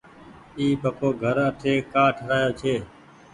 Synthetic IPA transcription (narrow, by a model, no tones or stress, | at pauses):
iːpəkʰoːɡʱəɾət̪ʰeːkaːʈʰəɾaːjoːt͡ʃʰeː